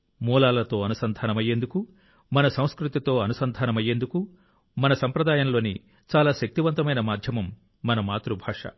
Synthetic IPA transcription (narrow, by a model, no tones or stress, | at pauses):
muːlaːlɐt̪o̞ːɐnusɐnd̪ʱaːnɐmɐjːend̪uku | mɐnɐsɐ̃w̃skɾut̪it̪o̞ːɐnusɐnd̪ʱaːnɐmɐjːend̪uku | mɐnɐsɐmpɾɐd̪aːjɐnlo̞ːni | t͡ʃaːlaːʃɐk̚t̪iʋɐnt̪ɐmɐjnɐmaːd̪ʱjɐmɐmː | ɐnɐmaːt̪ɾubʱaːʂɐ̰